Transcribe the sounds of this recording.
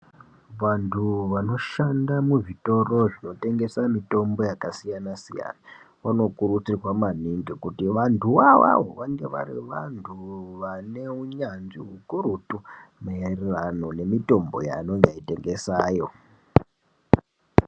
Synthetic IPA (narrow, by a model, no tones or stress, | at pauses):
ʋantʰuʋano̞ʃandamuʐito̞ro̞ʐino̞te̞ŋɡe̞samito̞mbo̞jakasijanasija̰na | ʋano̞kuɾut͡sirwamaniŋɡekutiʋantʰuʋawa̰wo̞̰ʋaŋɡe̞ʋa̰rḭʋantʰuʋane̞uɲanʐiɦukuɾutumaererano̞ne̞mito̞mbo̞̰ja̰noŋɡaite̞ŋɡe̞saːjo̞